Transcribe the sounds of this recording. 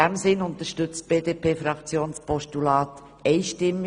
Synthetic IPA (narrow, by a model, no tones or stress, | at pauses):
ɛmsɪnʊnt̪əʃtʏt͡st̚b̥eːdeːpʰeːfɾɑkt͡sjoːnspɔʃtulɑːt | ɛɪʃtɪmː